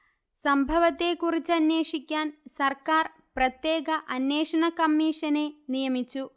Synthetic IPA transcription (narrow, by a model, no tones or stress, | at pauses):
sɐmbʱɐʋɐt̪ːe̞kurit͡ɕːɐnjeːʂikʲːaːnsɐrkaːr | prɐt̪je̞ːɡɐʔɐnjeːʂɐɳɐkɐmːiːʂɐne̞nijɐmit͡ɕːu